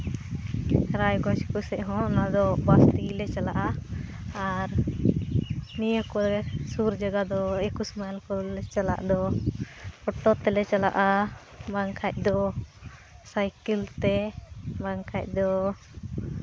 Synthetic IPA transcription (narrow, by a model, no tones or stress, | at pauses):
ɾajɡɔ̃t͡ʃɛ̥kusɛʔɦɔ̃nad̪ɔbast̪ilɛt͡ʃalaʔaː | ɾ | nijəkɔɾɛsuɾd͡ʒaɡad̪ɔekusmalkɔlɛt͡ʃala̰ʔd̪ɔ | ɔʈɔt̪ɛlɛt͡ʃala̰ʔa | maŋkʰac̚ˀd̪ɔ | sajkilt̪ɛmaŋkʰac̚ˀd̪ɔ